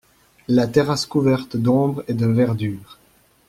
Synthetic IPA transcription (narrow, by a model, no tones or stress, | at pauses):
lat̪eʁaskuvɛʁt̪d̪ɔ̃bʁed̪əvɛʁd̪yːʁ